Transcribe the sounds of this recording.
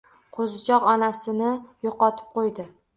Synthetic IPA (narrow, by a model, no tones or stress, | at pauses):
qʰozɪt͡ʃʰɒqɒnasɪnɪjoqɒt̪ʰɪ̥p̚qojd̪ɪ